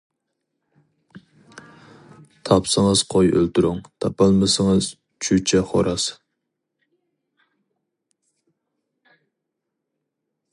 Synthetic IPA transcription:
t̪ʰɑpsɨŋəz̥qʰojʔølt̪ʰʊɾʊŋt̪ʰɑpɑlˠmɨsɨŋəz̥ | t͡ʃʰyt͡ʃʰɛχo̰ɾɑs

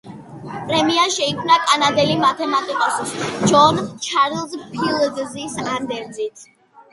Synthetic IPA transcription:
pʼɾɛmiaʃɛikʰmnakʼanad̪ɛlimat̪ʰɛmat̪ʼikʼɔsusd͡ʒɔnt͡ʃʰaɾlˠzpʰilˠɡzisand̪ɛɾd̪zit̪ʰ

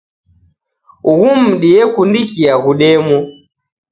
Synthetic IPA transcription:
uɣum̩ɗiɛkundikiaɣuɗɛmɔ

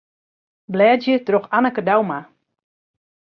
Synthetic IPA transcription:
blɛːdjətroxanəkədawma

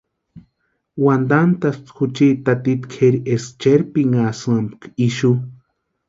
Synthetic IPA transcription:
wand̪ant̪ast̪xut͡ʃit̪at̪it̪kʰeɾiʔest͡ʃeɾpiŋasɨambkiʃu

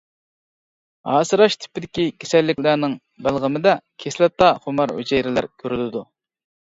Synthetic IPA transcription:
hɑːsɨɾɑʃt̪ʰɪ̥pɪd̪ɪkʲikʲʰe̥sɛlːɪkʲlæɾnɪŋ | bælˠʁɪmɪd̪ɛkʲʰeslæp̚t̪ɑχomɑɾho̰d͡ʒɛjɾɪlæ̰ɾkʲʰøɾylɪd̪u

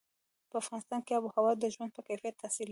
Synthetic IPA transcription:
pəafɣɑnɪst̪ɑnkeabuhawɑd̪əʒwand̪̚pəkajfijat̪ʰːasil

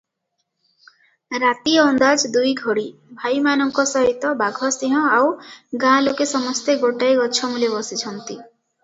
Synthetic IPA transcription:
ɾat̪iɔɔnd̪ad͡ʒd̪ujɡʱɔɽibʱajmanɔŋkɔsɔɦit̪ɔbaɡʱɔsiɦɔ̃awɡãlokesɔmɔst̪eɡoʈajɡɔt͡ʃʰɔmulebɔsit͡ʃʰɔnt̪i

